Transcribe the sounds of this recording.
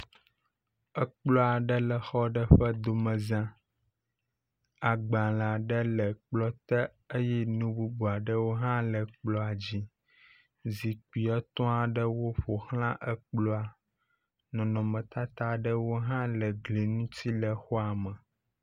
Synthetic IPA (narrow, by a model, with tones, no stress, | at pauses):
ə˦k͡plɔ˦a˨ɖə˦lə˨xɔ˦ɖə˦ɸə˦d̪o˨mə̃˨zã˦ | a˨ɡ͡bã˨la˨ɖə˦lə˨k͡plɔ˦t̪ə˦ | ə˦jɛ˦nũ˦bu˦bu˨a˨ɖə˦wo˦ɦã˦lə˨k͡plɔ˦a˨d͡ʑi˦ | zi˨k͡pu˨i˨ɛ˦t̪ɔ̃˦a˨ɖə˦wo˦ɸo˨hl̃ã˦ʔə˦k͡plɔ˦a˨ | nɔ̃˨nɔ̃˨mə̃˨t̪a˦t̪a˦ɖə˦wo˦ɦã˦lə˨ɡli˨nũ˦t̪i˦lə˨xɔ˦a˨mə˨